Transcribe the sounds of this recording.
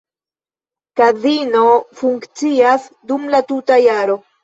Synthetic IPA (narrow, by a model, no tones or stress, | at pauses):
kazino̞fuŋkt͡siasdumlatutajaɾo̞